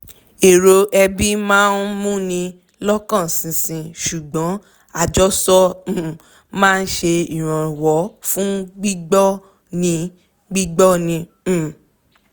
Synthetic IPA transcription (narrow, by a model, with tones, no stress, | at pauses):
e˨ɾo˨˧ʔɛ˧bi˦mãː˦n̩˦mũ˦nĩ˧ | lɔ˦kã˦˨sĩ˨sĩ˧ʃu˨ɡ͡bɔ̃˨˦ | a˦˨d͡ʒɔ˦sɔ˦˨ | mãː˦˧n̩˦ʃe˧i˨ɾ̃ɔ̃˨wɔ˨˦fũ˦ɡ͡bi˦ɡ͡bɔ˦ | nĩ˧ | ɡ͡bi˦ɡ͡bɔ˦nĩ˧˦˨